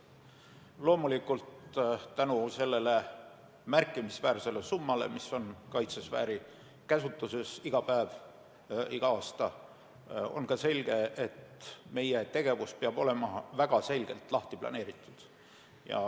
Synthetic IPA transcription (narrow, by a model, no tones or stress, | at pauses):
lo̞ːmulikult̪t̪ænuse̞lːe̞le | mærkːˑimisvæːɾse̞le̞sumːɑle̞̰miso̞nkɑjt̪sesvæ̰ːɾi | kæsut̪ːˑuse̞siɡ̥ɑpæev | iɡ̥ɑɑːst̪ɑ | o̞̰nkɑse̞lʲɡ̥e̞et̪me̞jet̪e̞ɡ̥e̞vuspeɑb̥o̞le̞mɑvæɡ̥ɑse̞lʲɡ̥e̞̰lt̪lɑht̪iplɑ̰ne̞ːɾit̪ːˑud̪̥ | jɑ̰